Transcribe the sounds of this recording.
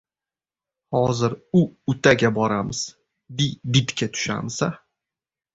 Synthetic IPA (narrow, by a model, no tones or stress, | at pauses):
hɒzɪɾʊʊt̪ʰaɡʲabɒɾamɪz̥ | bɪbɪt̪kʲʰat̪ʰʊ̥ʃa̰msa